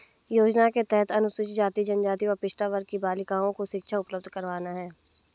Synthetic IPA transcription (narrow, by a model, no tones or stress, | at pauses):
joːd͡ʒnaket̪ɛɦɛt̪ɐnʊsɪʃd͡ʒaːt̪id͡ʒɐnd͡ʒaːt̪iɔɾpɪʃʈaʋəɾkibaːlɪkãːõkoʃɪkʃʰaʊpləb̚d̪ʱkəɾʋaːnaɦɛː